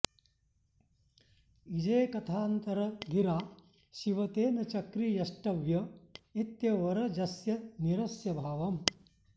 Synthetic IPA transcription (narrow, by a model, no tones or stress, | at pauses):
id͡ʒeːkɐt̪ʰaːnt̪ɐɾɐɡ̪ʱiɾaː | ʃiʋɐt̪eːnɐt͡ʃɐkɾijɐʃʈɐʋjɐet̪jɐʋɐɾɐd͡ʒɐsjɐniɾɐsjɐbʱaːʋɐm